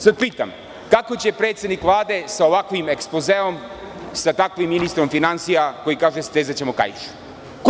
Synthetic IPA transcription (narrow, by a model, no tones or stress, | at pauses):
sad̪̚piːt̪a̰m | kakot͡ɕepɾet̪sed̪nikʋlˠaːd̪esaoʋakʋimekspozeom | sat̪akʋimːinist̪ɾomfinansijako̞jikaːʒest̪ezat͡ɕemoka̰jʃu̥ | k